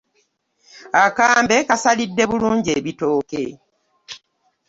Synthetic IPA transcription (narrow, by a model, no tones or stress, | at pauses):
akaːmbe̞kasalidːe̞βuluːɲɟieβito̞ːke̞̰